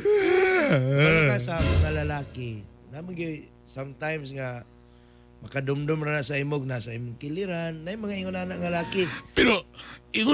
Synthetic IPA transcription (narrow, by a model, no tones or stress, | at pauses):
akasamaŋalalaːkɪ | namʊɡɪ | samt̪ajmsŋa | mɐkad̪ʊmd̪ʊmɾanasaimoɡ̚nasaimʊŋkɪlɪɾanːajmɐŋaɪŋʊnanaŋalaːkɪpɛɾoɪŋʊ